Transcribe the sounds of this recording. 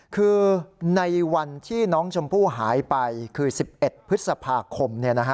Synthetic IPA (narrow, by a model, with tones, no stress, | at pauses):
kʰɯː˧na˧jwa˧nt̪ʰiː˥˩nɔː˦˥ŋt͡ɕʰo˧mpʰuː˥˩ɦaː˩˦jpa˧jkʰɯː˧si˨˩p̚ʔe˨˩t̪̚pʰɯ˦˥t̪̚sa˧pʰaː˧kʰo˧mni˥˩ɐna˦˥kʰa˦˥